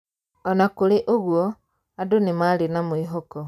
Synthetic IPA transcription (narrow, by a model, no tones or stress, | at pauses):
ɔnakoɾeʔoɣwɔ | adonemaɾenamwiɦɔkɔ